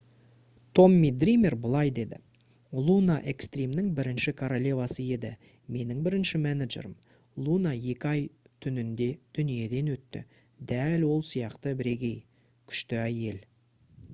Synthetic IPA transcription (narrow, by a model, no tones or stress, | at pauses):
t̪ʰo̞mːid̪rimʲe̞rbəlˠɑjd̪e̞d̪ɪ̰ | lˠunaʔe̞kst̪rʲimnɪŋbɪɾɪnʃɪkʰoɾolʲe̞vɑsəe̞d̪ɪ | me̞nɪŋbɪɾɪnʃɪmænad̪ʒḛɾəm | lˠunaje̞kʲɪɑjt̪ʰʏnɪnd̪e̞d̪̥ʏnije̞d̪e̞nwɵt̪ːɪ̰ | d̪ælwo̞lˠsijɑqt̪əbɪɾe̞ɡʲe̞j | kʲʰʏ̥ʃt̪ɪæje̞l